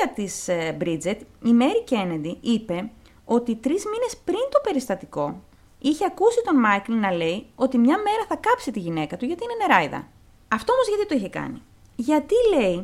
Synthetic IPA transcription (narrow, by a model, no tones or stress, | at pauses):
ɐt̪isbɾid͡zet̪ime̞ɾice̞ned̪iʔipe̞ | o̞t̪it̪ɾizmine̞spɾint̪o̞pe̞ɾist̪ɐt̪iko̞ | içe̞ɐkusit̪o̞nmɐklinɐle̞io̞t̪imɲɐme̞ɾɐθɐkɐpsit̪iʝine̞kɐt̪uʝɐt̪iineneɾɐiðɐ̰ | ɐft̪o̞o̞mozʝɐt̪it̪oiçe̞kɐ̰ni | ʝɐt̪ile̞i